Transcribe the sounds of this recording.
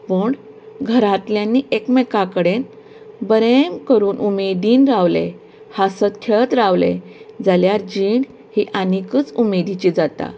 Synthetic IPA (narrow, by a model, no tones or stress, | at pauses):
pəːɳ | ɡʱəɾat̪ljanːiːʔekmekakəɽen | bəɾemkəɾuːnʔumed̪iːnɾaʋlḛ | hasət̪kʰeɭt̪ɾaʋled͡zaljaɾd͡ʑiːɳ | hiʔanikəːt͡sumed̪it͡ɕiːd͡zat̪a̰